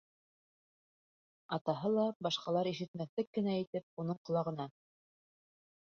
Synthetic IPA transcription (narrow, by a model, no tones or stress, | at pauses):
ɑt̪ɑɦɤlˠɑbɑʃqɑlˠɑɾiʃɘ̆t̪mæθlɘkːɘ̆næit̪ɘp̚unɤɴt̪ŏlˠɑʁɤ̆nɑ